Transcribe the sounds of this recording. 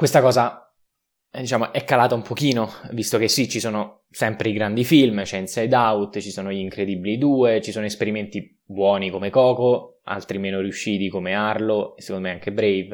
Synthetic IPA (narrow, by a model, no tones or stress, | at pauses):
kwest̪akɔːza | d̪it͡ʃaːmoʔɛkːalaːt̪aumpok̟iːnovist̪okesit͡ʃisoːno | sɛmpɾeiɡɾand̪ifilmt͡ʃɛnsejd̪aut̪t͡ʃisoːnoʎiŋkɾed̪ibilid̪uːet͡ʃisoːnoespeɾiment̪i | bwɔːnikomekɔːko | a̰lt̪ɾimeːnoɾiuʃːiːt̪ikomearlosekond̪omeaŋkebɾejv